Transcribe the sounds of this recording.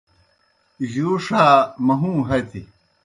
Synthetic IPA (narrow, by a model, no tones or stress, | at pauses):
ʑuːʂaːmɐɦũːɦɐt̪ʰi